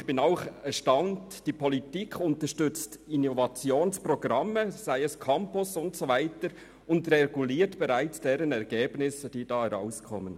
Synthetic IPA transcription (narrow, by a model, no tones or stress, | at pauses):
xb̥ɪnaʊχɛʃtaʊnt | d̥iːpʰɔlitiːkʰʊntəʃtʏt͡stɪnovɑt͡sjoːnspʁoɡ̥ʁɑməz̥aɪɛskʰampʊsʊntsovaɪtəɾ | ʊndreɡuliːɾtb̥ɛɾaɪt͡sd̥eːɾənɛɾɡeːbnɪsəd̥iːd̥ɑːhɛɾa̰ʊskʰɔmən